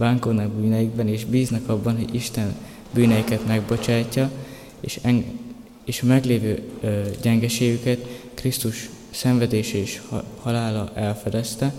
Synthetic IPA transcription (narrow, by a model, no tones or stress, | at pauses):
baːŋkonɒɡ̚byːnɛjiɡbɛneːʒbiːznɛkɒbːɒnɦo̞̰ɟiʃt̪ɛn | byːnɛjikɛt̪mɛɡbo̞t͡ʃaːcːɒ | ʃŋ | eːʃɒmɛɡleːvøːɟɛŋɡɛʃeːɡykɛt̪krist̪uʃ | sɛɱvɛd̪eːʃɛeːʃhɒlaːlɒʔɛlfɛd̪ɛst̪ɛ